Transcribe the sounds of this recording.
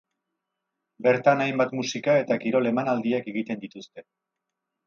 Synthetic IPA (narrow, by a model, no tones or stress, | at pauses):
be̞ɾt̪anajmbat̪musikae̞t̪akiɾo̞le̞manald̪iake̞ɣit̪e̞nd̪it̪ust̪e̞